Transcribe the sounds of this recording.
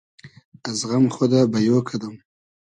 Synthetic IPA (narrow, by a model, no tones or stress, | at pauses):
azɣamχod̪abajokʰad̪əm